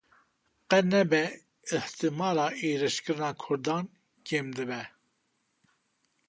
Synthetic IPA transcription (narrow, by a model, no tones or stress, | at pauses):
qɛnɛbɛ | ɨht̪ɨmɑːɾɑːʔeːɾɨʃkɨɾɨnɑːkʰʊɾd̪ɑːn | keːmd̪ɨbɛ